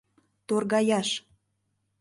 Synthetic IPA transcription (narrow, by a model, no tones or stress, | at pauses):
t̪orɣɑjɑʃ